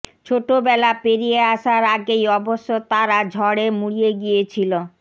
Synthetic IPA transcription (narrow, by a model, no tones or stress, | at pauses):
t͡ɕʰoʈobɛlapeɾijeaʃaɾaɡejɔboʃːot̪aɾad͡ʑʱɔɽemuɽijeɡijet͡ɕʰilo